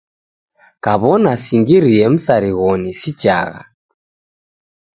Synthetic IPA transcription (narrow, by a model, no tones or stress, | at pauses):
kaβɔnasiŋɡiɾiɛm̩saɾiɣɔnisit͡ʃa̰ɣa̰